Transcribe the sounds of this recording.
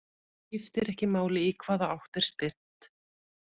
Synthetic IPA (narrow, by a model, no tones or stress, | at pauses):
cɪft̪ɪɾɛhcɪmaːwlɪikʰvaːðaawht̪ɛɾ̥spɪr̥t̪